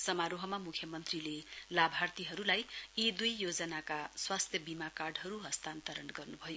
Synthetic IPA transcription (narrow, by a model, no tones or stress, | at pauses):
sʌmaɾoɦʌmamukʰjʌmʌnt̪rilelabʱart̪iɦʌɾulajid̪ujːod͡zʌnakaswast̪ʰjʌbimakarɖɦʌɾuɦʌst̪ant̪ʌɾʌnɡʌrnubʱʌjo